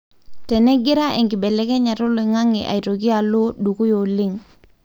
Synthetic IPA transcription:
tɛ˨nɛ˦ɡɪ˦ɾa˦ʔe˨ŋɡɪ˨bɛ˨lɛ˦kɛ˦ɲa˨tʊ˦li˨ŋa˦ŋɪ̰˨ʔa̰˨i˨to˨k̬i˦a˨lo˦du˨ku˦jo˨li˦ŋ

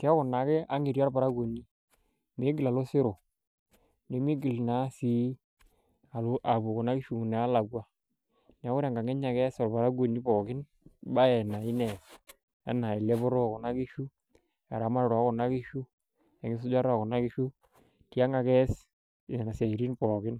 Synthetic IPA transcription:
ti˨˦a˦kɔ˨na˨kɛ˦a˦ŋi˨ɾa˦ɾba˨ɾa˦ɡo˨ni˦ | me˦ɡɪ˨la˨lo˦sɪ˦ɾo˨ | ne˨mi˦ɡɪ˨lna˨˦si˦ | a˨lʔa˨bu˨kɔ˨na˦kɪ˦ʃu˨nɛ˨a˦la˨ɡwa˦ | n˨a˨˦kʊ˦ɾa˨ŋɡa˨ŋɛ˦ɲa˨kɛ˦sɔ˨ɾba˨ɾa˦ɡo˨ni˦bɔ˨kɪ˦n | ba˦ɛ˨na˨ɪ˦nɛ˨ | a̰˦na˨ɛ˨lɛ˦bɔ˦ɾo˦˨kɔ˨na˦kɪ˦ʃu˦ | a˨ɾa˨˦ma˦ɾɾa˨˦kɔ˨na˦kɪ˦ʃu˦ | ɛ˨ŋɪ˦s̬ʊ˦d͡ʒa˦ɾa˦˨kɔ˨na˦kɪ˦ʃu˦ | ti˦a˦ŋa˨kɛ˦s | na˨sa˨i˨ɾi˦npɔ˨kɪ˦n

